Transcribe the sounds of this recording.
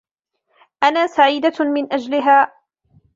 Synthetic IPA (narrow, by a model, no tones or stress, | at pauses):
ʔanaːsaʕiːd̪amɪnʔad͡ʒlɪɦaː